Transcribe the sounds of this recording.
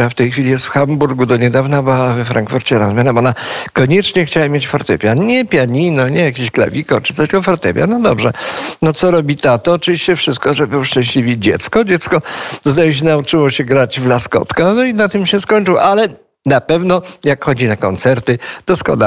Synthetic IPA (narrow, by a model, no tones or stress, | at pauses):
aft̪ɛjxfʲilʲijɛst̪fxambuɾɡud̪ɔɲɛd̪avnabɪwavɛfɾaŋkfuɾt͡ɕɛɾazmʲanɛmɔnakɔɲɛt͡ʂɲɛxt͡ɕawamjet͡ɕfɔɾt̪ɛpʲjaɲɛpʲjaɲinɔɲɛjak̬ʲeɕklɛ̰vʲikɔt͡ʂɨt̪sɔɕɡɔfɔɾt̪ɛ̰pʲja̰nɔd̪ɔbʐɛ̰nɔt̪sɔɾɔbʲit̪at̪ɔːt͡ʂɨvʲiɕt͡ɕɛfʂɘst̪̚kɔʐɛbɘʂt͡ʂɛ̃ɕlʲivʲid͡ʑɛ̰t̪skɔd͡ʑɛt̪skɔzd̪ajɛɕ̬ɛnaut͡ʂɘwɔɕɛɡɾad͡ʑvlaskɔ̰t̪kanɔinat̪ɘmɕɛskɔɲt͡ʂɨwʔalɛ | napɛvnɔjakxɔd͡ʑinakɔnt̪sɛɾt̪ɘd̪̥ɔskɔ̰na